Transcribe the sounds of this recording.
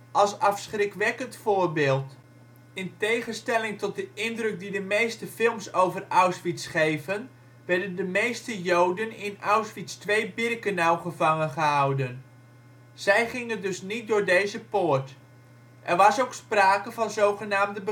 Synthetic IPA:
ʔɑlˠsɑfsχrɪkʋɛkəntfʊːrbɪːlˠt | ɪntejχənstɛlɪŋtɔt̚dəʔɪndrɵk̚didəmejstəfɪlˠmsowvərawsʋitsχejvən | ʋɛɹdəndəmejstəjowdənɪnawsfitstʋejbɪrkənawχəvɑŋənχəɦawdən | z̥ɛjχɪŋədøsnit̚dʊːɹdejzəpoːrt | ʔɛrʋɑsowkspraːkəvɑnzowχənaːmdəbə

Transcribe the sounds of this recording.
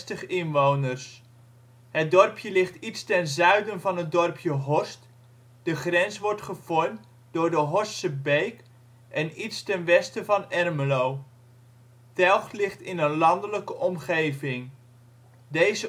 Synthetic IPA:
təχɪnʋownərs | ɦət̚dɔrpʰjəlɪχtitstɛnzœɥdənvɑnɦət̚dɔrpʰjəɦɔst | d̥əχrɛnsʋɔɹtχəv̥ɔɹmt | dʊːɹdəɦɔsəbejk | ʔɛnitstɛnʋɛstəvɑnɛrməlow | tɛlˠχlɪχtɪnənlɑndələkəʔɔmχejvɪŋ | dejzə

